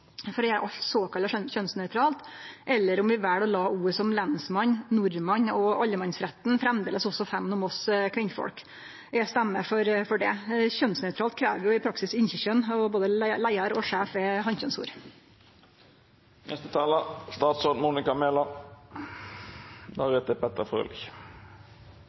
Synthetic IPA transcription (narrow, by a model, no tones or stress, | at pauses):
fɔɾɪæɾʔɑlt̪soːkɑlənçœnsnœʏt̪ʰɾɑːlt̪ʔɛlːəɾɔmʋɪʋæːɽɔlɑːuːɾəsɔmlɛnsmɑnnʊɾmɑɲɔɑʎːəmɑnsɾɛt̪n̩fɾɛmd̪eːləsɔsɔfɛmːnɔmɔskʰʋɪnfɔ̰ɽk | ɛst̪ɛmːəfɔɾfɔɖɛçœnsnœʉt̪ɾɑːlt̪̚kʰɾæːʋjʊɪpʰɾɑksɪsɪnçɪçœnɔboːd̪əllæɪɑɾɔʂæːfɛɦɑnçœnsṵːɾ | nʔɛ̰st̪ət̪ʰɑːləst̪ɑːt̪sɔmuːnɪkɑmeːlɑ | d̪ɑɾɛt̪əpʰɛt̪əfʁø̰ːlɪç